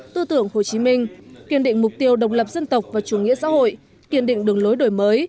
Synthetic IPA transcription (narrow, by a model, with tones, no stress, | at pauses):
t̪ɨ˧t̪ɨ˧˩əŋho˨˩t͡ɕi˨˦mï˧ŋ̟ki˧˩ənɗḭ˧˨ŋ̟mʊ˨˩k͡p̚t̪i˧əwɗə˨˩wk͡p̚lə˨˩p̚zə˧nt̪ə˨˩wk͡p̚vaː˨˩t͡ɕu˧˩ŋḭ˧˥əsa̰ː˧˥ho̰˧˨j | ki˧˩ənɗḭ̈˧˨ŋ̟ɗɨ˨˩əŋlo˨˦jɗo˨˩jməː˨˦j